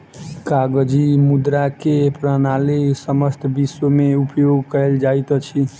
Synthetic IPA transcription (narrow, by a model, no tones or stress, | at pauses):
kaɡəd͡ʒimud̪ɾakepɾənalisəməst̪ʰbisomeupjoɡkəeld͡ʒajt̪t͡ʃʰi